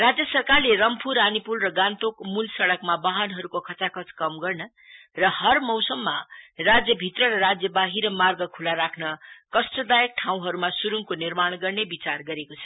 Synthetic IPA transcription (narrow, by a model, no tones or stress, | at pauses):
rad͡zjʌsʌrkarlerʌmpʰuɾanipulrʌɡant̪okmulsʌɽʌkmabaɦʌnɦʌɾukokʰʌt͡sakʰʌt͡skʌmɡʌrnʌ | rʌhʌrmʌwsʌmːarad͡zjʌbʱit̪rʌɾʌɾad͡zjʌbaɦiɾʌmarɡʌkʰulaɾakʰnʌkʌst̪ʌd̪ajʌk̚ʈʰaw̃ɦʌɾumasuɾuŋkonirmaɽ̃ɡʌrnebit͡sarɡʌɾekot͡sʰʌ̥